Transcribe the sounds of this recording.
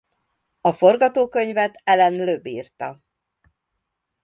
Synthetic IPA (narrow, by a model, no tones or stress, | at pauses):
ɒfo̞rɡɒt̪oːkø̞ɲvɛt̪ɛlɛnløbiːrt̪ɒ